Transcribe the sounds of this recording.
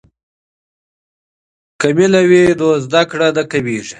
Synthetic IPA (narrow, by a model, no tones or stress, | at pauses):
kamilawed̪ozd̪akɽad̪akaweːʐi